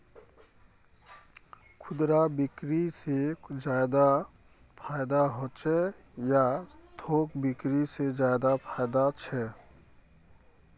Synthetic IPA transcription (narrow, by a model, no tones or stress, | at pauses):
kʰʊd̪ɾabɪkɾised͡ʒad̪a | pʰaːjd̪aɦoːt͡ʃʰɛjat̪ʰoːkbɪkɾised͡ʒajd̪apʰaːd̪at͡ʃʰɛ